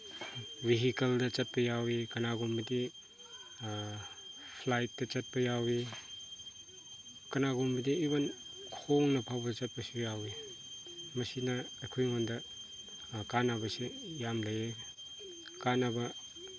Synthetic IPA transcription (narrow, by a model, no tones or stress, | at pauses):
biɦikɐldɐt͡ʃɐt̚pɐjawikɐnaɡumbɐdi | pʰlajt̚dɐt͡ʃɐt̚pɐjawi | kɐnaɡombɐdiːbɐnkʰoŋnɐpʰawbɐdt͡ʃɐt̚pɐsujawi | mɐsinɐɐkʰojŋondɐ | kanabɐsejamlɐje | kanabɐ